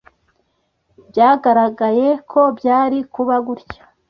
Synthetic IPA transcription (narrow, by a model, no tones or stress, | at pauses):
bjaːɡaɾaɡaje̞kʰo̞bɟaːɾikuβaɡuɾcḁ